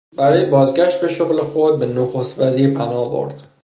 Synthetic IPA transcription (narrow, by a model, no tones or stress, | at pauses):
bæɾɒːjebɒːzɡæʃt̪̚be̞ʃoɣlexod̪̚benoxost̪væziːɾpʰænɒːbo̰ɾd̪̥